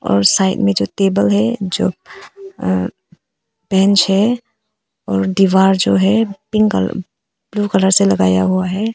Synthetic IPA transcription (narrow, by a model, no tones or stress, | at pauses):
ɔ̰ːɾsaːɪʈmẽd͡ʒoːt̪eːbəlɦɛd͡ʒo̰ː | bɛ̃ːnt͡ʃɦɛ | ɔːɾɖiʋaːɾd͡ʒoːɦɛpɪ̃ŋkəl̰ | b̥luːkələɾselɐɡaːja̰ɦuaɦɛː